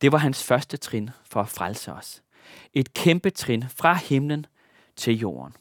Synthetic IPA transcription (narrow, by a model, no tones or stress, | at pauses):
d̥e̝ʋɑ̈ɦænsfɶɐsd̥ət͡sʰʁenfɒ̽æfʁalsəɒ̽s | e̝d̥̚kʰemb̥ət͡sʰʁenfʁɑ̈hemlən | t͡sʰe̝ljo̝̰ːɐ̰n